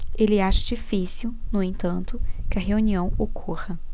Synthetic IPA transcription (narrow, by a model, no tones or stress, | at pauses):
elɪaʃɐ̥d͡ʒifisiwnʊẽt̪ɐ̃nt̪ʊkɪɐɦeuniɐ̃w̃okʰuʁɐ